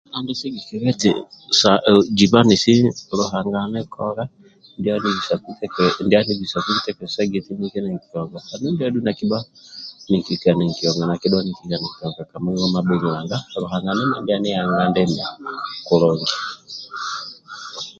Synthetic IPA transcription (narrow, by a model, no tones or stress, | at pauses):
andisɛɡikiβɛtḭsad͡ʒiβanisiluɦaŋɡanɛkʰɔɾa | ndianiisakutɛkɛndianiɡisakukutɛkɛsaɡɛtinikɛnɛŋkijɔŋɡakanindiadunakibanikikanɛŋkiɔŋɡanakiɗɔniŋkikanɛkitɔŋɡakamuŋɡɔmabɛɲiwaŋɡaɾuhaŋɡanɛnandianijaŋɡandɛndakulɔŋɡi